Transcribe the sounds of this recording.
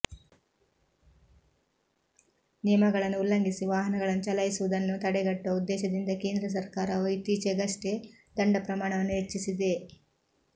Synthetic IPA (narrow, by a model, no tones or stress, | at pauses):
nijɐmɐɡɐɭɐnːuulːɐŋɡisiʋaːɦɐnɐɡɐɭɐnːut͡ʃɐlɐjisuʋud̪ɐnːut̪ɐɽɛɡɐʈːɐud̪ːɛːʃɐd̪ind̪ɐkeːnd̪ɾɐs̬ɐɾkaːɾɐuit̪iːt͡ʃeɡɐʂʈed̪ɐɳɖɐpɾɐmaːɳɐʋɐnːuɦet͡ʃːisid̪e̞